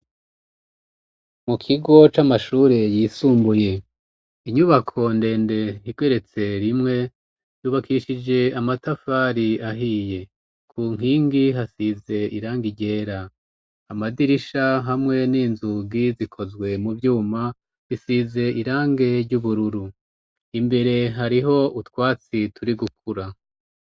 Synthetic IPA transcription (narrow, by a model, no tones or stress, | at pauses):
mukʰiɡo̞t͡ʃamaʃuːɾejiːsuːmbuje̞ | iɲuβakʰo̞nde̞ːnde̞hiɡ̥weɾe̞t͡se̞ɾimŋe̞ | juːβakʰiʃid͡ʒe̞amatafaːɾiaɦiːje̞ | kʰuːŋ̥iːŋɡiɦasize̞iɾaːŋɡiɟe̞ːɾa | amadiɾiʃaɦamŋe̞niːnzuɡizikʰo̞zɡwe̞muvjuːma | βisize̞ʔiɾaːŋɡe̞ɾɟuβuɾuɾu | imbe̞ɾe̞ɦaɾiɦo̞utwaːt͡sitʰuɾiɡuk̚ʰuɾa